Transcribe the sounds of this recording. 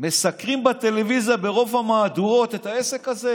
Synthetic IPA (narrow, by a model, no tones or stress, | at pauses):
me̞sakʁimbat̪e̞levizjabe̞ʁo̞vhamaːd̪uo̞t̪et̪haese̞kaze̞